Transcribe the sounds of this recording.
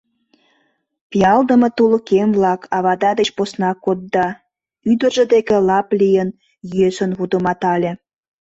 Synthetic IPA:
pijɑld̪əmət̪uləkemβlɑkʰɑβɑd̪ɑd̪et͡ɕposnɑkod̪̚ːɑ | yd̪ə̆rʒə̆d̪ekelɑplijən | jyøsənβud̪əmɑt̪ɑlʲe

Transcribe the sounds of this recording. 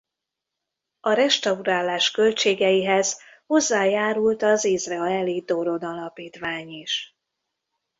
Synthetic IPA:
ɒɾɛʃt̪ɒuraːlːaːʃkø̞lt͡ʃeːɡɛjiɦɛz̥ | ho̞zːaːjaːɾult̪ɒzizrɛɒɛlid̪o̞ɾo̞nɒlɒpiːt̪ʋaːɲiʃ

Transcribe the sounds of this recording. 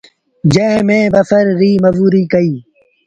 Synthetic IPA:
d͡ʒẽːmẽːbɐfəɾːiːməʋuːɾiːkəiː

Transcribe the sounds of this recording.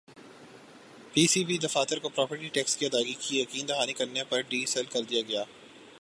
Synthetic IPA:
piːsiːbid̪ɐfaːt̪ɪɾkopɾɔːpəɾʈiʈɛːkskiɐd̪aːɡikijɐkiːnd̪ɐɦaːnikɐɾnepɐɾɖiːsɛlkɐɾd̪ijaɡɐjaː

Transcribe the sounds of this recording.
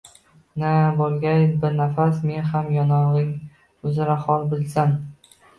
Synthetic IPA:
nabolˠɡʲajbɪɾnafasme̞nɦamjɒnɒʁɪŋ | ɵzɪɾahɒlˠbɪlsan

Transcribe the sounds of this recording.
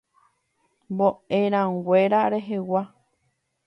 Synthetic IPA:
mboẽɾ̃ãɡʷe̞ɾaɾe̞ɦewa

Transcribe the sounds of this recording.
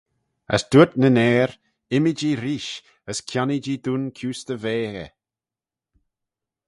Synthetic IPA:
ə̰sd̪̥ut̪nənɛːɾ | ɪmid͡ʒiɾiːʃ | əskʰjanid͡ʒid̪unkʰuːst̪əveːɣə̰

